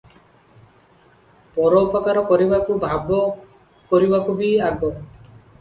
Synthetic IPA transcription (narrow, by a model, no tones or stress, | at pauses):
pɔɾɔːpakaɾɔkɔɾibakubʱabɔ | kɔɾibakubiaɡɔ